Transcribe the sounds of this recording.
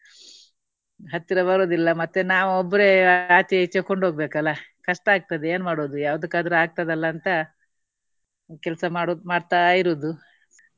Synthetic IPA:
ɦɐt̪ːiɾɐbɐɾoːd̪ilːɐmɐt̪ːenaːʋuɔbːɐɾeaːt͡ʃ̪ɐit͡ʃːɐkoɳɖɦoːɡ̚beːkɐlːɐkɐʂʈɐaːɡ̚t̪ɐd̪eeːnmaːɽoːd̪ujaːʋɐd̪ukːaːd̪ɐɾuaːɡ̚t̪ɐd̪ɐlːɐːnt̪ɐ | kɛlsɐmaɽmaːɖt̪aːjiɾoːd̪u

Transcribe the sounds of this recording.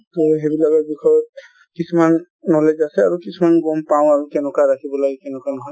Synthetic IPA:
t̪ɔɦebilaɡɔbikɔjɔt̚ | kisʰumanː | ɔled͡ʒasɛaɹukisʰumanɡɔmpaw̃aɹikɛnɔkaɹakʰibɔlaɡɛkɛnɛkanɔɦɔj

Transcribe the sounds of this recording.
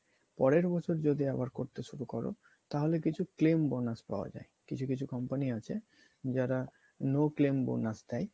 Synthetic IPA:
pɔɾeɾbɔt͡ɕʰoɾd͡ʑod̪iabaɾkoɾt̪eʃuɾukɔɾo̰ | t̪aɦolekit͡ɕʰuklembonaspa̰oa̰d͡ʑa̰ekit͡ɕʰukit͡ɕʰukɔmpaniat͡ɕʰe | d͡ʑaɾa | noklembo̰nasd̪ɛj

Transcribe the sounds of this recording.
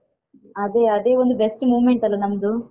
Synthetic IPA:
ɐd̪e̞ːɐd̪e̞ːʋund̪ubesʈmuːʋmeɳʈɐlːɐnɐmːɐd̪u

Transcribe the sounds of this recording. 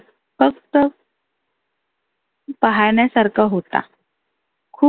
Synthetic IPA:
fək̚t̪ə | paɦajɳjasaɾkʰaɦot̪a̰ | kʰuː

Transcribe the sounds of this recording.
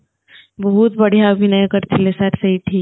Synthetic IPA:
bɐɦʊt̪̚bɐɽ̤ijabʱinɐẽkɐɾt͡ʃʰelesaːɾsɐɦiʈʰiːk

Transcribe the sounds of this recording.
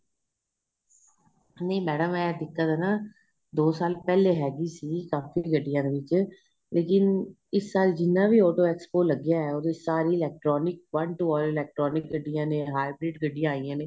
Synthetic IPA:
nẽiːmɛːɽəmɛ̃ːd̪ɪkːaːd̪eːnãː | d̪oːsaːlpɛːleːɦɛːɡiːsiːkaːfiɡəɖːijãːd̪eːʋɪt͡ʃ | leːkɪn | ɪsːaːld͡ʒɪnːãːbiːɔːʈoːɛːkspoːləɡjaːɛːoːd̪eːsaːɾiːɪlɛːk̚ʈɾɔːnɪk̚ʋə̃ɳʈuɔːlɪlɛːk̚ʈɾɔːnɪk̚ɡəɖːɪjãːneːɦaːɪbɾeːʈɡəɖijãːaːijãːneː

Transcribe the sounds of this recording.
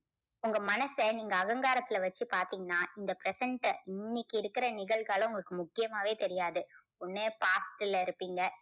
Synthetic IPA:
ʊŋɡɐmɐnɐsɐniːŋɡɐːɣɐŋɡaːɾɐt̪ːɪlɐʋɐt͡ʃːɯpaːɾt̪iːŋɡɐnːaːʔɪnd̪ɐpɾɛsɐɳʈɪnːɪkːɪɪɾɯkːɪɾɐnɪɣɐɭɣaːlɐ̃ʊŋɡɐɭɯkːɯmʊkːɪjɐmaːʋeːt̪ɛɾɪjaːðɯ | ʊnːeːpaːsʈɪlɪɾɯpːiːŋɡɐ

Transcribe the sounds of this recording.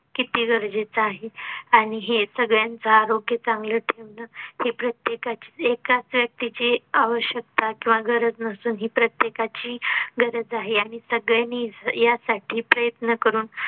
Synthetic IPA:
kit̪iːɡəɾd͡zet͡səaɦeaɽ̃iɦesəɡɭjant͡səaɾoɡjət͡sãŋɡləʈʰeʋnəhepɾət̪jekat͡ɕi̥ːekat͡sʋjək̚t̪it͡ɕiaʋəɕjək̚t̪akĩw̃ʋaɡʱəɾəd͡znəsuːnɦipɾət̪jekat͡ɕiːɡəɾəd͡zaɦeaɽ̃isəɡɭjanːijasaʈʰiːpɾəjət̪nəkəɾuːn

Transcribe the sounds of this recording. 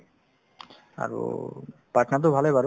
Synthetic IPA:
a̰ɾṵpɾaʈnat̪̬obʱalejbaɾ

